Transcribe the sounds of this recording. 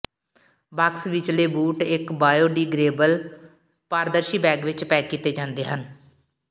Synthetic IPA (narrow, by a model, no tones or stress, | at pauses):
baksʋit͡ʃleːbuːʈɪkbaːjoːɖiːɡɾeːbəl | paːɾd̪əɾʃiːbɛːɡʋɪt͡ʃpɛːkːiːt̪eːd͡ʒãːnd̪eːɦən